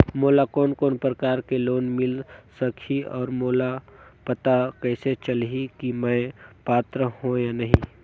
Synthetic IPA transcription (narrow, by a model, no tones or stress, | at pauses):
moːlakoːnkoːnpɾəkaːɾkeloːnmɪlsəkʰiɔːɾmoːlapət̪akɛːset͡ʃəlɦikimə̃paːt̪ɾəhõjanɐɦĩ